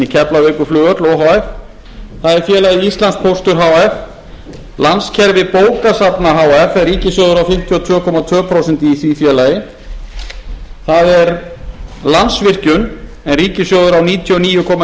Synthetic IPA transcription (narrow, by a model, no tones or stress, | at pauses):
icʰɛplaveːkʏflʏːɣœt̪lɔɦaːwɛf | θaðɛɾfjɛːlajiist̪lansk̚pʰowst̪ʏɾɦawɛf | lanscʰɛɾvɪpoːwkasapnaɦaːwɛfɛriːcɪsjɔwðʏɾawfɪm̥t̪ʰjiɔt̪ʰvʏːkʰɔmat̪ʰv̥œːpʰɾowsɛnt̪iːθvifjɛːlajɪ | θaðɛɾ | lansvɪr̥cʏn | ɛnriːcɪsjɔwðʏɾawniːt̪ʰjiɔniːjʏkʰɔːma